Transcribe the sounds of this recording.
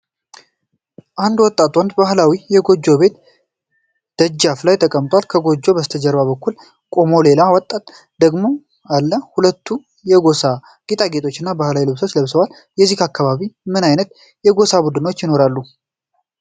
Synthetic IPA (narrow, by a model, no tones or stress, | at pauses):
ʔand̪wɔt̪ʼːat̪ʼwɔnd̪bahlawijɛɡo̞d͡ʒːo̞be̞t̪ | d̪̥əd͡ʒːaflajt̪ʰəkʼəmt̪ʼwalkʰəɡo̞d͡ʒːo̞bəst̪ʰəd͡ʒəɾβaβəkːul | kʼo̞mo̞le̞lawɔt̪ʼːat̪ʼ | d̪əɡmo̞ | alːəhulət̪ʰːu | jɛɡo̞sa | ɡ̥it̪ʼaɡet̪ʰʼo̞t͡ʃːɪnːabahlawilɨβso̞t͡ʃːləβsəwal | jɛzːikakːaβaβimɨnajnət̪̚ | jɛɡo̞sabud̪ɨno̞t͡ʃːjɪno̞ɾalːu